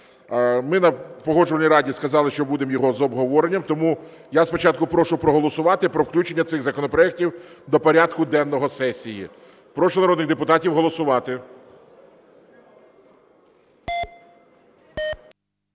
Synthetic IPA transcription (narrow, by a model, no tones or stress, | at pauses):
mɪnɐpɔɦɔʒʊʋɐnʲijɾɑdʲiskɐzɑlˠɪʃt͡ʃɔbud̪emjɔɦɔzɔbɦɔʋɔɾenʲːɐmt̪ɔmu | jaspɔt͡ʃɑt̪̚kʊpɾɔʃʊpɾɔɦɔlˠɔsʊʋɑt̪ɪpɾɔwklʲut͡ʃe̞nʲːɐt̪sɪɣzɐkɔnɔpɾɔɛk̚tʲiwd̪ɔpɔɾʲad̪kʊd̪ɛnːɔɦɔsɛsʲijḭ | pɾɔʃɔnɐɾɔd̪nɪɣd̪epʊt̪ɑtʲiwɦɔlˠɔsʊʋɑt̪ɪ